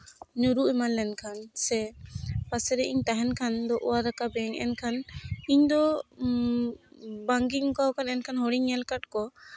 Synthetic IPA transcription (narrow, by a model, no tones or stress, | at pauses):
ɲuɾuʔɛmanlɛnkʰansɛpasɛɾɛʔiɲt̪aɦɛnkʰand̪ɔʔɔwaɾakabɛŋɛ̰nkʰaniɲd̪ɔ | baŋɡikawkʰanɛnkʰanɦɔɽiɲɛlkaʈkɔ